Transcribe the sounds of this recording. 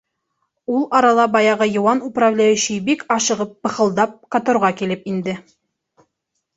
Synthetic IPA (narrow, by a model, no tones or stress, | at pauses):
ulˠɑɾɑlˠɑbɑjɑʁɤjŏwɑnupravlʲæjuɕibikʰɑʃɤ̆ʁɤp̚ːɤ̆χɤ̆lˠd̪ɑp̚kɒt̪ŏɾʁɑkilɘpind̪ɘ